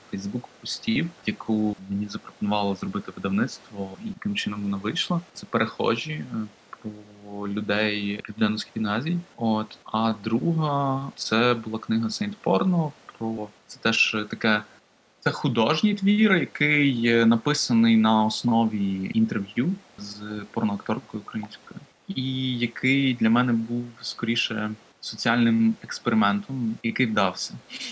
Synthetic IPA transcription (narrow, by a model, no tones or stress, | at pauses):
fɛjzbukpɔsʲtʲiwjɐkʰumenʲizɐpɾɔ̥pɔnʊʋɑlˠɔzrɔbɪt̪ɪʋɪd̪ɐʋnɪt̪st̪ʋɔijɐkɪmt͡ʃɪnɔmʋɔnaʋɪjʃlˠɐt̪sɛpeɾʔexɔ̰ʒʲipɾɔlʲʊd̪ɛjpʲid̪ɛnɔskʲfʲinɛzʲijot̪ɐd̪ɾuɦɐt̪sɛbʊlˠɑknɪɦɐsɐjnt̪pɔ̰rnɔɦɔpɾɔt̪sɛt̪ɛʒt̪ɐkɛ | t̪ɛxʊd̪ɔʒnʲit̪ʋʲiɾɪjɐkɪjnɐpɪsɐnɪjnɐɔsnɔʋʲiint̪erʋjuzpɔɾnɔɐkt̪ɔrkɔjʊukɾɐjinʲsʲkɔjʊ | ijɐkʰɪjd̪lʲɐmɛnɛbuwskɔɾʲiʃɛ | sɔt͡sʲiɑlʲnɪmɛkspeɾɪmɛnt̪ɔmjɐkɪjd̪ɑwsʲɐ